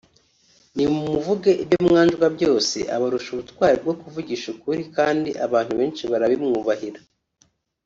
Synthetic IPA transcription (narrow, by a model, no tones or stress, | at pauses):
nimumuvuɡeʔibjomŋaːnd͡ʒɡwabɟo̞ːse̞̰ʔa̰βaɾuʃuβutkwaːɾib̚ɡo̞kuvuɟiʃukuɾikaːndiʔaβaːn̥huβe̞ːnʃiβaɾaβimŋuːβahiɾḁ